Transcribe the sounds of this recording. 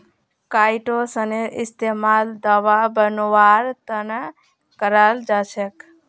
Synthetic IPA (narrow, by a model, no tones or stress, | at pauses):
kaːjʈosəneʔɪst̪emald̪aʋabənoʋaɾt̪ən | kəɾald͡ʒat͡ʃʰek